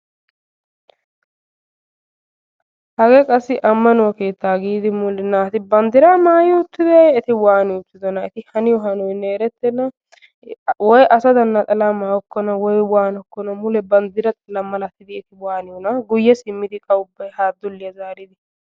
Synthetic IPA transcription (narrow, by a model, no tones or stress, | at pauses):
hɐɡɛkʼɐsːɪʔɐmːɐnʊwɐke̞ːt̪ːaːɡiːd̪ɪmʊlɛnːaːt̪ɪbɐnd̪ɪɾamaːjɪɔʊt̪ːɪd̪ɪjɛt̪ɪwaːnɪjʊt̪ːɪd̪ɔnɐɛt̪ɪhɐnɪjɔɦɐnɔjnɛːɾɛt̪ːɛnɐ | wɔjʔɐsɐd̪ɐnːɐt̪ʼɐlamaːwɔkːɔnɐwɔjwaːnɔkːɔnɐmʊlɛbɐnd̪ɪɾɐt̪ʼɐlɐmɐlɐt̪ːɪd̪ɪɛt̪ɪwaːnɪjɔnɐɡʊjːɛsɪmːɪd̪ɪkʼɐʊbːɐjhaːd̪ːʊlːɪjɐzaːɾɪd̪ɪ